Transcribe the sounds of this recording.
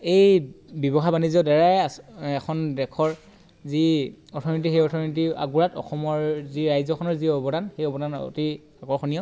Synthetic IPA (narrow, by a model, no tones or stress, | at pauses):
ejbɔbɔxʰabanizɔdɛɹajasɛkʰɔndɛkʰɔɹ | ziɔtʰɔnit̬ixejɔtʰɔnit̬ia̰ɡuɹatɔ̰xɔmɔɹziɹajzɔkʰɔnɔɹziɔbɔdanxejɔbɔdʱan̰ti | aɡɔɹxʰɔnijɔ